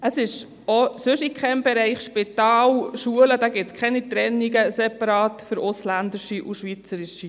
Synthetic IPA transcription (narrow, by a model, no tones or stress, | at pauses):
əsɪʃ | osʏʃikχɛmb̥ɛɾɛɪχʃpit̪ɑːlʃuələd̥̪ɑɡɪtt͡skʰχɛnit̪ɾɛnːiɡəsɛpɑɾɑːtfʏɾʊslænd̪ɪʃiʔuʃʋit͡səɾɪʃi